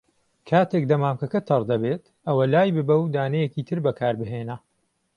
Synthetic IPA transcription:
kʰaːt̪ʰek̚d̪ɐmaːmkɐkɐt̪ʰɐɾd̪ɐbeːt̪ | ʔɐwɐlaːjbɨbɐwd̪aːnɐjɛkiːt̪ʰɨɾbɐkʰaːɾbɨɦeːnɐ

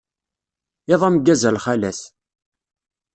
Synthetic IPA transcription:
eðˤæmɡæzælχælæs

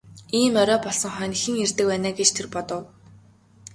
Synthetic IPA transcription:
iːmœɾɔːpɔɮsɞ̆ŋχœːnixɘ̆ŋert̪ɘ̆k̚pæːnaːɡet͡ɕt̪ʰerpɔt̪ɞ̆w

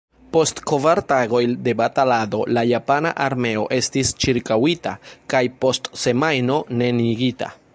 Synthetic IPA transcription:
po̞stko̞vaɾtaɡo̞jnde̞batalado̞lajapana̰ʔaɾme̞o̞ʔe̞stist͡ʃiɾkawitakajpo̞stse̞majno̞ne̞niɡita̰

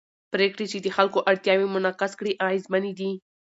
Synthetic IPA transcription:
pɾekɽet͡ʃed̪əxalkoʔaɽt̪jɑwemʊnɑqaskɽiʔaɪzmanid̪i

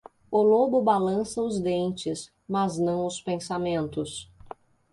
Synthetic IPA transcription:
ʊlobʊbalɐ̃sɐʊzd̪ẽnt͡ʃɪs | mɐznɐ̃w̃ʊspẽsamẽnt̪ʊs

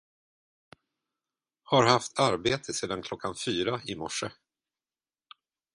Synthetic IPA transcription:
haɾhaft̪ʰaɾbeːt̪ʰəseːd̪ankʰlɔkʰːanfyːɾaɪmɔʂə

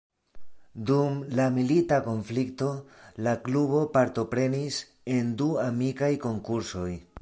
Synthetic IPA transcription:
dumlamilitako̞nflikto̞lakluβo̞paɾto̞pɾe̞nis | e̞nduamikajko̞ŋkuɾso̞j

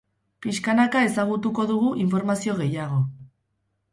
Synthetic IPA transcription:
piskanakae̞saɣ̞ut̪uko̞ðuɣuʔiɱfo̞ɾmasio̞ɣ̞e̞jaɣ̞o

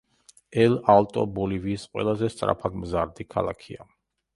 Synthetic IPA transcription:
ɛlalt̪ʼɔ̰bɔliviːsqʼwɛ̰lˠazɛst̪sʼɾa̰pʰad̪mzaɾd̪ikʰalˠa̰kʰia

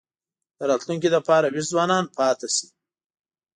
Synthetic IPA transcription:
d̪̥əɾɑt̪luŋk̬id̪apɑɾawizwɑːnɑnpʰɑt̪asi̥

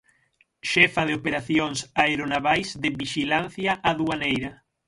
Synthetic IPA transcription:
ʃɛfaðeopeɾaθjoŋsaeɾonaβajsðɪβiʃilan̟θjaʔaðuanejɾɐ

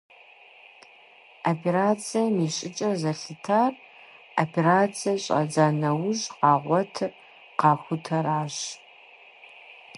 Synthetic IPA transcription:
apʰeɾaːt͡sʰijɐmiːɕʼɪt͡ʃʼɐrzɐɬɨtʰaːr | opʰeraːt͡sʰijɐɕʼɐ̰d͡zaːnɐwʊʑqɑːʁʷɔtʰ | qɑːxʷʊtʰɐɾaːɕ

